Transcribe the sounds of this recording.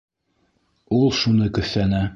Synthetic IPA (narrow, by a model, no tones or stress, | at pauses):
ulˠʃunɤkɵ̆θːænæ